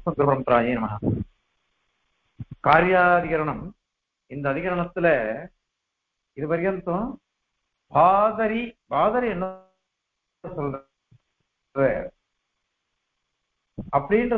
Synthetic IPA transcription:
ɐɡɾɯbɐɾɐmpɾaːd͡ʒiːnɐmɐna̰ | kaːɾjaːðɪɣɐɾɐɳɐm | ɪnd̪ɐːðɪɣɐɾɐɳɐt̪ːɪlɐ | ɪðɯbɐɾɪjɐnt̪ːõː | bʱaːðɐɾibʱaːðɐɾiɛnː | ɯsɔl | reːɾ | ɐpːɐɽindrɯ

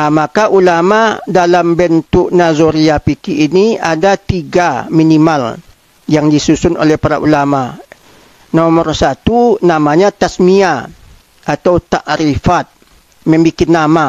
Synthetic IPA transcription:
makaʔulamadalambɛnt̪ʊʔnazoɾiapikiʔːnia̰dat̪iɡaminimal | jaŋdisusʊno̰lɛhpaɾa̰ʔṵlama | nomərsat̪unamaɲat̪asmia | ʔat̪awt̪aʔɾifat̪̚ | mɛmbikɪnːama

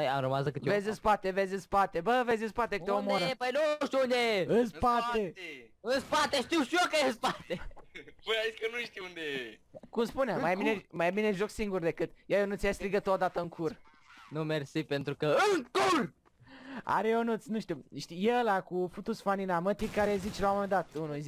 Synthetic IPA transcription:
ɐjaɾumazɐkɨt̪vezʲɨ̃spat̪evezʲɨ̃spat̪ebəvezɨspat̪ekt̪eomdoɾepɐjnɐ̃w̃ʃt̪iũnd̪ejeɨ̃spat̪eɨ̃spat̪eʃt̪iwʃt̪iokɐẽspat̪epujaiskənũʃt̪iund̪ejekumspunamajminemajamineʒoɡsiŋɡuɾd̪ekɨt̪jaewnũt̪sʲijast̪ɾiɡət̪uad̪at̪ɐɨŋkʰuɾ | nɐ̃w̃meɾsipẽnt̪ɾukəɨŋkuɾ | a̰ɾeewnusnũʃt̪uʃt̪ijelakufut̪usfaninamət̪ikaɾezit͡ʃloamemed̪at̪unuiz

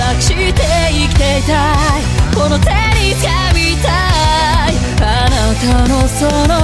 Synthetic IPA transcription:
akɯ̥ɕit̪e | ikʲi̥t̪e̞it̪aikono̞t̪eɲʲiskamit̪a | i | anat̪ano̞sono

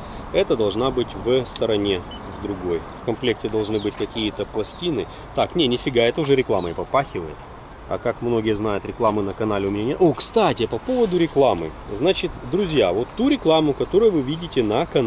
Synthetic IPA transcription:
ɛt̪əd̪ɐlˠʐnabɨtʲvəst̪əɾɐnʲe̞ | vd̪ɾʊɡo̞jfkɐmplʲe̞k̚tʲɪd̪ɐlˠʐnɨbɨt̚ʲkɐkʲijət̪əplˠɐsʲtʲinɨ | t̪aknʲenʲɪfʲɪɡaɛt̪əʊʐɛɾʲɪklˠaməɪpɐpaxʲɪvəjɪt̪ | a̰kakmno̞ɡʲɪjəznajʊt̪ɾʲɪklˠamɨnəkɐnalʲɪʊmʲnʲenʲjəʔokst̪atʲɪpɐpo̞vəd̪ʊɾʲɪklˠamɨ̰znat͡ɕɪt̪d̪ɾʊzʲjavo̞t̪ːuɾʲɪklˠamʊkɐt̪o̞ɾʊjʊvɨvʲidʲɪtʲɪnəkɐn

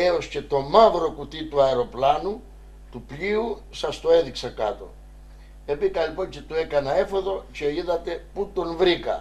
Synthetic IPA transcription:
eosce̞t̪o̞mɐvɾo̞kut̪it̪uɐeɾo̞plɐnu | t̪upʎiu | sɐst̪oe̞ðiksɐkɐt̪o̞̰ | epikɐlipo̞ncet̪ue̞kɐnɐe̞fo̞ðo̞ce̞iðɐt̪e̞put̪o̞nvɾikɐ̰

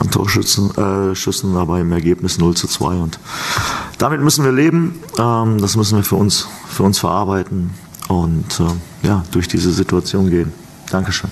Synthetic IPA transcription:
ʔantʰo̰ːɐ | ʃʏt͡sn̩dabaɪɪmɛɐɡeːpnɪsnʊlt͡sut͡sv̥a̰ɪʊnt | d̥amɪtmʏsn̩viːɐleːbm̩ʔɛːmd̥asmʏsn̩viːɐfyːɐʊnsfyːɐʊnsfɛɐʔaɐbaɪtn̩ | ʔʊntɛ | jaːd̥ʊɐçd̥iːzəzituat͡sjoːnɡeːən | d̥aŋkəʃøːn

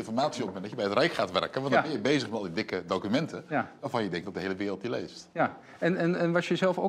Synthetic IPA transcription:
ɪnfɔrɹmaːtsiɔmpmɛ̃ndɑjəbɛjətrɛjkχaːtʋɛ̰rkənʋɑndbɛjəbejzəχmɛtɑlˠdidɪkədokymɛntəʋaːɹvɑnjədɛŋk̚tdɔpdəɦejləʋɪːɾəl̩ˠtilḛjsta | ɛnɛnɛnʋɑsjəzɛlˠfo̰

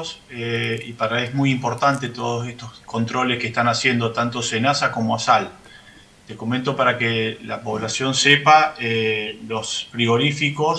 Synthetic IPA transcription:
seipaɾaeɦmujimpo̞ɾt̪ant̪et̪o̞ðosehst̪osko̞nt̪ɾo̞leskeht̪anasje̞nd̪ot̪ant̪o̞senasako̞moasal | t̪ekoment̪o̞paɾakela̰po̞β̞lasjo̞nsepaelo̞spɾio̞ɾifikos

